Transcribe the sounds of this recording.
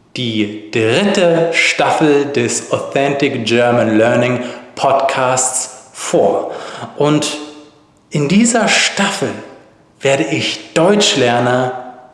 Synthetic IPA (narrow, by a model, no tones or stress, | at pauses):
d̥iːd̥ʁɪtəʃtafl̩dɛsoθɛntɪkd͡ʒɜɐmənlœɐnɪŋpʰɔtkʰaːstsfoːɐʔʊnt | ʔɪndiːzɐʃtafl̩ | v̥eːɐɾəɪçd̥ɔʏt͡ʃlɛɐnɐ